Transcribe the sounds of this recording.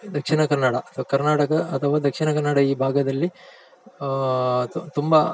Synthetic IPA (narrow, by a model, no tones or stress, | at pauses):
d̪ɐkʂinɐkɐɾnaːɽɐɐt̪ʰɐʋɐkɐɾnaːʈɐkɐːt̪ʰɐʋaːd̪ɐkʂinɐkɐɾnaːɽɐiːbʱaːɡɐd̪ɐlːi | t̪umbɐ